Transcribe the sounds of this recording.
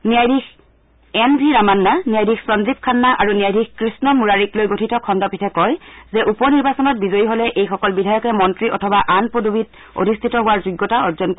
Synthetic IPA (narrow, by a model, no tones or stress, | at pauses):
nijajdʱix | ɛnbʱiɹamanːanijajdʱixsɹɔnzip̚kʰanːaʔaɹunijajdʱixkɹisnɔmuɹaɹiklojɡotʰitɔkʰɔndɔpitʰɛkɔjzɛʔupɔniɹbasɔnɔt̚bizojiɦolɛʔejxɔkɔlbidʱajɔkɛmɔntɹiʔɔtʰɔbaʔanpodubit | o̰dʱistʰitɔɦʊwaɹzuɡːɔtaɔɹzɔnk